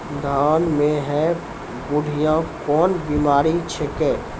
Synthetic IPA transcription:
d̪ʱaːnmẽɦɛ | bʊɽʱijãkɔːnbimaːɾit͡ʃʰɛkɛː

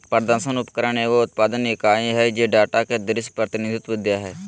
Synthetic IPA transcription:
pəɾd̪əɾsənʊpkəɾəɳeːʋoːʊt̪̚paːd̪ənikaːĩːɦɛːd͡ʒeːɖaːʈaːkeːd̪ɪɾɪspɾət̪ɪnɪd̪ʱɪt̪ʋɪd̪jaːɦɛː

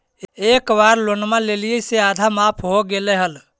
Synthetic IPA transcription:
ekbaɾlonmãlelijəsead̪ʱamapʰɦoɡeleɦəl

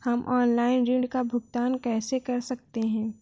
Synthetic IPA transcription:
hɐmʔɔːnlaːɪnɾɪ̃ɳɖkabʱʊɡ̚t̪aːnkɛːsekɐɾsɐk̚t̪eɦɛ̃ː

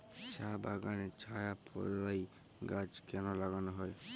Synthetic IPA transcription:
t͡ʃʰaba̰ɡaɽ̃et͡ʃʰajapʰɔ̰ɾɾai | ɡad͡ʒkɛnɔlaɡanɔɦɔe

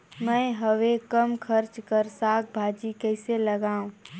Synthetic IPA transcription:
mɛ̃ːɦɐʋekəmkʰəɾt͡ʃkəɾsaːk̚bʱaːd͡ʒikɛɪselɐɡaːũ

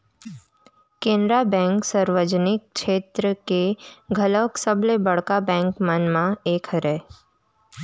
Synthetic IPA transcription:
kẽːnd̪ɾabɛ̃ːŋksəɾʋəd͡ʒnɪk̚ʃeːt̪ɾəkeɡʱələksəblebəɽkabɛ̃ːŋkmənmãeːkʰəɾɛː

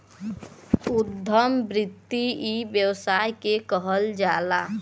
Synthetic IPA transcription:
ud̪ʱːəmbɾɪt̪ːiibjəwsajkekəɦəld͡ʒaːla

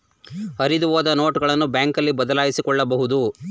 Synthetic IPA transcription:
hɐɾid̪uʋoːd̪ɐno̞ːʈɡɐɭɐnːubjaːŋkɐlːibɐd̪ɐlaːjisikɔɭːɐbɐɦud̪u

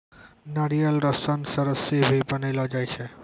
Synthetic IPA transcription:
naɽijəlɾɔsənsəɾəsibʱipənilɔd͡ʒajt͡ʃʰe

